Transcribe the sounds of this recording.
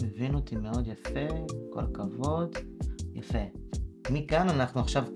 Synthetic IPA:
mevinot̪imeo̞d̪jafe̞ko̰lkavo̞d̪jafemikananaχnuaχʃavk

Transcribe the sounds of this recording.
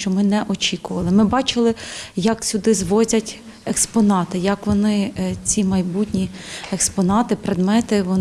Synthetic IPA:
t͡ʃɔmɪnɛʔɔt͡ʃʲikʊʋɐlˠɪmɪbɑt͡ʃɪlˠɪjɐksʲʊd̪ɪzʋɔzʲɐtʲ | ɛkspɔnɑt̪ɪjɐkʋɔnɪt͡sʲimɐjbutʲnʲiɛkspɔnɑt̪ɪpɾed̪mɛt̪ɪʋɔ

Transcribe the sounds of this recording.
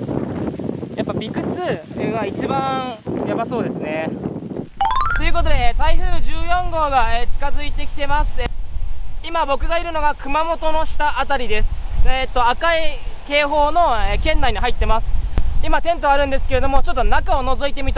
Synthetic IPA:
japːabʲikɯ̟t͡sɨ | eɡait͡ɕibãjabaso̞ːd̪e̞sɨne̞ | t̪o̞jɯ̟ːko̞t̪od̪e̞t̪aiɸɯ̟ːʑɨːjõ̞ŋɡo̞ːɡaet͡ɕi̥kazɨit̪e̞kʲi̥t̪e̞masɨ | imabo̞kɯ̟ɡaiɾɯ̟no̞ɡakɯ̟mamo̞t̪o̞no̞ɕi̥t̪aʔat̪aɾʲid̪e̞sɨ̥et̪ːo̞akaike̞ːɦo̞ːno̞ekẽ̞nd̪aiɲ̟iɦait̪ːe̞masɨ̥imat̪ẽ̞nt̪o̞aɾɯ̟nd̪e̞sɨ̥ke̞ɾe̞d̪o̞mo̞t͡ɕot̪ːo̞nakao̞no̞zo̞it̪e̞mʲit̪a

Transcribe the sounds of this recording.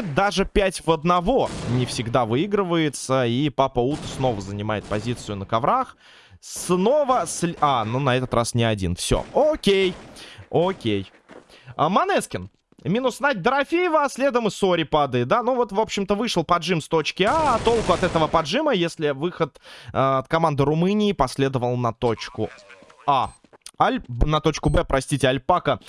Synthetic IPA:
d̪aʐɨpʲætʲvəd̪nɐvo̞nʲɪfsʲɪɡd̪avɨiɡɾɨvəjɪt̪səipapəut̪sno̞vəzənʲɪma̰jɪt̪̚pɐzʲit̪sɨjʊnəkɐvɾax | sno̞vəslʲanunɐɛt̪ət̪rʔasnʲɪɐdʲḭnfsʲo̰okʲejokʲej | əmɐnɛskʲɪn | mʲinʊsnat̚ʲd̪əɾɐfʲejɪvəɐsʲlʲe̞d̪əmɨso̞ɾʲɪpad̪əɪt̪̚d̪anuvo̞t̪vo̞pɕːɪmt̪əvɨʂɨlˠpɐdʐɨmst̪o̞t͡ɕkʲɪat̪o̞lˠkʊɐt̪ɛt̪əvəpɐdʐɨməjesʲlʲɪvɨxət̪ɐt̪kɐmand̪ɨɾʊmɨnʲɪːpɐsʲlʲe̞d̪əvəlˠnɐt̪ot͡ɕkʊa | alʲnɐt̪o̞t͡ɕkʊbɛpɾʔɐsʲtʲitʲɪɐlʲpakə

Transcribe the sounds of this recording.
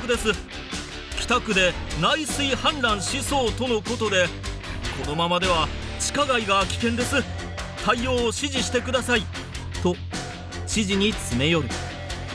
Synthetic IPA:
kɯ̟d̪e̞sɨ | kʲi̥t̪akɯ̟d̪e̞naisɨihãnɾãɰ̃ɕiso̞ːt̪o̞no̞ko̞t̪o̞d̪e̞ | ko̞no̞mamad̪e̞β̞a | t͡ɕi̥kaɡaiɡakʲi̥kẽ̞nd̪e̞sɨ | t̪ʰaio̞ːɕiʑiɕi̥t̪e̞kɯ̟d̪asai | t̪o̞ | ɕiʑiɲ̟it͡sɨme̞jo̞ɾɯ̟

